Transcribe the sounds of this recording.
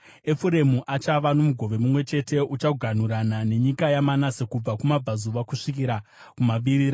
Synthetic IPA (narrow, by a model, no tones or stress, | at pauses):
e̞fuɾe̞muʔat͡ʃaʋano̞muɡʱo̞ʋe̞mumwe̞t͡ʃe̞te̞ut͡ʃaɡʱan̤uɾanane̞ɲikajamanase̞kub͡vakumab͡vazuʋakuʂikiɾa | kumaɓiɾiːɾa